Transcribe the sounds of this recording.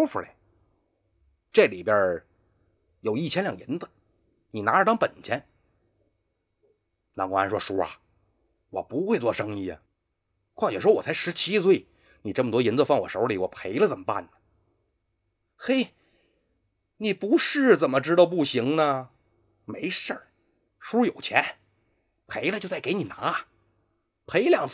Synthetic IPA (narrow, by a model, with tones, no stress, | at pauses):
fu˨˩le˨˩ | ʈ͡ʂɤ˥˩li˨˩bjə˧˥ | jo˨˩ʊi˥˩t͡ɕʰjɛ˥nljɑ˨˩ŋjḭ˧˥nd͡zə˧ | ni˨˩na˧˥ə˧t̪ɑ˥ŋpə˨˩nt͡ɕʰjɛ˧˥n | na˧˥kɔ˧˥a˧˥nʂwɔ˥ʂɔ˥ɐ̰˨˩ | wɔ̰˨˩pu˧˥xwe˥˧ɪt͡swɔ˥˩ʂɤ˥ŋi˥˩ə˩ | kʰwa˥˩ŋt͡ɕɥɛ˨˩ʂwɔ˥wɔ˨˩t͡sʰa˧˥ɪʂɻ̩˧˥t͡ɕʰi˥swe˥˩ɪ | ni˨˩ʈ͡ʂə˥˩mət̪wɔ˥ji˧˥nt͡sə˧fɑ˥˩ŋwɔ̰˨˩ʂo˧˥li˨˩wɔ˨˩pʰe˧˥ɪlə˨t͡sə˨˩mə˦pa̰˥˩nnə˩ | xe˥ɪ | ni˨˩pu˧˥ʂɻ̩˥˩t͡sə˨˩nmə˦ʈ͡ʂɻ̩˥t̪ɑ˥˧ʊp̬u˥˩ɕi˧˥ŋnə˨ | me˧˥ɪʂə˞˥˩ | ʂu˥jo˨˩ʊt͡ɕʰjɛ˧˥n | pʰe˧˥ɪlə˧t͡ɕo˥˧ʊt͡sa˥˩ɪke˧˥ɪni˨˩na˧˥˨ | pʰe˧˥ɪljɑ˨˩ŋt͡sʰ